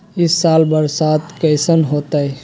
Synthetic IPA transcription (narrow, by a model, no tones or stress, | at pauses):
ɪsːaːlbəɾsaːt̪kəɪsənɦoːt̪aɛ